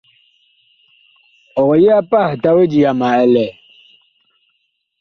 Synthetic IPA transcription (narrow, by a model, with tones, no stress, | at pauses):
ɔ˨ɣɔ˨ji˦a˦pa˦˨hta˦we˦d͡ʒi˨ja˨ma˨ɛ˨lɛ˨